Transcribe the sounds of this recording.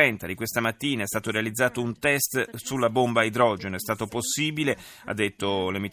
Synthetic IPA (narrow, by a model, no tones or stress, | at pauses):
ɛnt̪ad̪ikwest̪amat̪ːiːnaɛst̪aːt̪oɾealid̪zːaːt̪ount̪ɛst̪sulːabombaid̪ɾɔd͡ʒenoɛst̪aːt̪oposːiːbile | a̰d̪ːet̪ːolemi